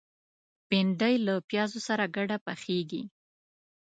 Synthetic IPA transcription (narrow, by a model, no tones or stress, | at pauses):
pɪɳɖajlapjɑzosaɾaɡaɽapaxeɡi